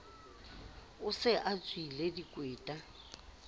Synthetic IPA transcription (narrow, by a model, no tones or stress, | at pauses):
ʊsɪʔat͡sʼwiledikʼweːtʼa